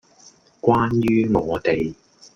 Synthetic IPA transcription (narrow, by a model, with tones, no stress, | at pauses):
kʷaː˥njyː˥ŋɔː˨˧t̪e˨j